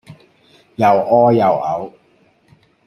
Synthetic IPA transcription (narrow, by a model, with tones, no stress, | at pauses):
jɐ˨˩wʔɔː˥jɐ˨˩wɐ̰˨˧w